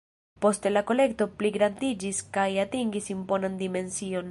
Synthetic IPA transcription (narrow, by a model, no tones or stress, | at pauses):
po̞stelako̞le̞k̚to̞pliɡɾandid͡ʒiskajatiŋɡisimpo̞nandime̞nsio̞n